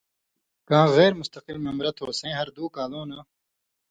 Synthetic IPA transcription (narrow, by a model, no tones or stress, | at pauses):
kaãːɣeːɾmʊst̪ɐqilmemɾɐt̪ɦoːsẽːɦɐɾd̪uːkaːlõːnaː